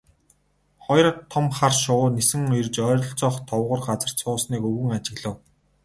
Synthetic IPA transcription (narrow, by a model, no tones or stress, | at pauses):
χɔjrə̆t̪ʰːɔmχarʃʊːnesɘ̆ŋɵjrt͡ɕœːɾʲɞ̆ɬt͡sɔːχt̪ʰɔwʁʊ̆rɢat͡sə̆r̥t̪sʰʊːsniːkɵɣɘ̆ŋat͡ɕɪ̆ɣɮə̆w